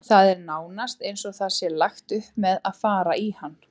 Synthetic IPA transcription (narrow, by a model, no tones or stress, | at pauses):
θaðɛɾnaːwnast̪ejnsɔɣθasjɛlaxt̪ʏhpmɛðaðfaːɾaʔihanː